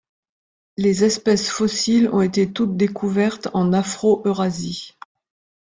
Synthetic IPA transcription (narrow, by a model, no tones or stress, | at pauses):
lezɛspɛsfɔsilɔ̰̃et̪et̪ut̪̚d̪ekʰuvɛʁt̪ɑ̃nafχoʔøʁazi